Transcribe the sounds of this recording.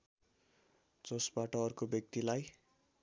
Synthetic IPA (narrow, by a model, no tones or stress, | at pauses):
d͡zʌsbaʈʌʌrkobjʌk̚t̪ilaj